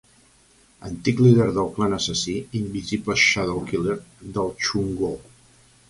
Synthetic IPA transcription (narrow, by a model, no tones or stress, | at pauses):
ənt̪ikliðeɾðəlˠklanəsəsiimbizipləʃaðəlˠkileɾðəlˠt͡ʃuŋɡo